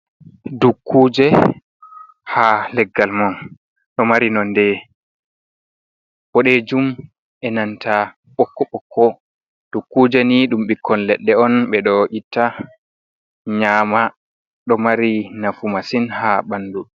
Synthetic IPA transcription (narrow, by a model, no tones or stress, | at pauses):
dukːud͡ʒɛ | halɛɡːalmɔn | ɗɔmaɾinɔndɛ | bɔɗɛd͡ʒum | ʔɛnantʰa | ɓɔkːɔɓɔkːɔ | d̥ukːud͡ʒɛniɗumɓikʰːɔnlɛɗːɛɔnɓɛɗɔʔitːa | ɲama | ɗɔmaɾinafumasinhaɓanːdu